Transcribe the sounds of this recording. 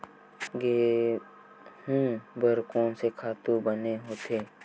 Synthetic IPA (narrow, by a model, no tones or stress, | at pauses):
ɡeː | hũːbəɾkõːnsekʰaːt̪ũbəneɦoːt̪ʰeː